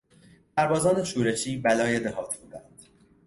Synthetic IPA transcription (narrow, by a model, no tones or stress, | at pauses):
sæɾbɒːzɒːne̞ʃuːɾe̞ʃʰiːbælɒːje̞d̪ehɒːt̪ʰbuːd̪ænd̪̥